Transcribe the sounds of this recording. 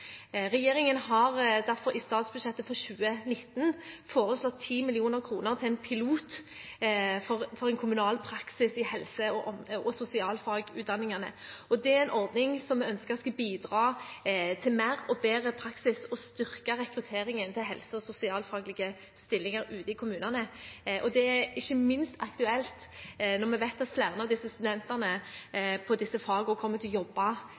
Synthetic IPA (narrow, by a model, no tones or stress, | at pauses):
ʁɛjeːɾɪŋənhɑʁd̪æɾfɔɾʔɪst̪ɑːt̪sbʉʂɛt̪ːəfɔʁɕʉːənɪt̪ːnfoːɾəslɔt̪ʰːiːmɪlɪuːnəʁkʰɾuːnəʁt̪ʰɪlɛnpʰɪluːt̪ | fɔfɔʁɛnkʰʊmʉnɑːlpʰɾɑksɪsɪhɛlsəɔɔɔsʊsɪɑːlfɑːɡʉ̰ːd̪ɑnɪŋənə̰ɔd̪ɛæɛɪnʔɔɾd̪nɪŋsɔmɛœnskəɾt̪skɑbiːd̪ʁɑːt̪ʰɪlmæːɾɔbeːɾəpʰɾɑksɪsɔst̪ʏʁkɑʁɛkɾʉt̪ʰeːɾɪŋənt̪ʰɪlɦɛlsəɔsʊsɪɑːlfɑːɡlɪɡə | st̪ɪlːɪŋɑɾʉːt̪ɪkʰʊmʉːnɑnəʔɔd̪ɛæɪçːəmɪnst̪ɑkt̪ʉɛlt̪nɔʁmɛʋæɪt̪ɑt̪slæʁnɑd̪ɪsːəst̪ʉd̪ɛnt̪ɑnəpʰɔd̪ɪsːəfɑːɡəɔkʰɔmːət̪ʰɪlɔjɔbːɑ